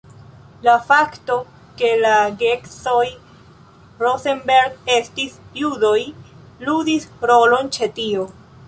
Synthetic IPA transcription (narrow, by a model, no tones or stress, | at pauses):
lafakto̞ | ke̞laɡeksoj | ɾosenbe̞ɾɡe̞stisjudo̞j | ludisɾo̞lo̞nt͡ʃe̞tio